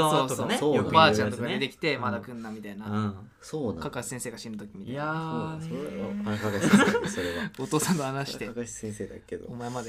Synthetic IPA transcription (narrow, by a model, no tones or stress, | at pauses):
oːoneoobaːt͡ɕãnt̪o̞kaid̪e̞kʲi̥t̪e̞mad̪akɯ̟̃nːamʲit̪ainã | soːkakaɕi̥sẽ̞ɰ̃se̞ːɡaɕĩnːɯt̪o̞kʲimʲit̪aaao | kakoɾeaot̪o̞ːsãnt̪ohanaɕi̥t̪ei̥ẽsed̪akːed̪oomaemad̪e̞